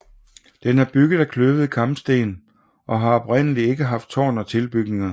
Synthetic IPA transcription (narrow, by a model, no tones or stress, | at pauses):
d̥enæɐb̥yɡ̥ð̩ˠækʰløʊð̩ˠikʰɑ̈mb̥sd̥e̝̰ːn | ʔɒ̽ɦɑ̈ɒ̽b̥ʁɛn̰əlie̝ɡ̥əɦɑ̈fd̥̚t͡sʰɒ̰ːnɒ̽t͡sʰe̝lb̥yɡ̥ne̝ŋɐ